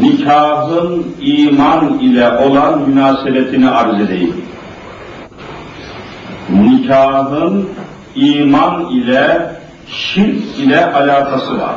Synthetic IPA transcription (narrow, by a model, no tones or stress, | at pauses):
nicʰaːɦɯniːmanilʲɛʔo̞lˠanmynaːsebɛt̪ʰiniaɾzed̪ejḭlʲ | nicʰaːɦɯn | iːmanilʲɛ | ʃiɾilʲɛʔalaːt̪ʰasɯva̰ɾ